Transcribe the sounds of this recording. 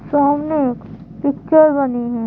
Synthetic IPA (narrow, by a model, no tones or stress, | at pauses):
soɦɐmnek | pɪkt͡ʃəɾbɐniɦɛ̃ː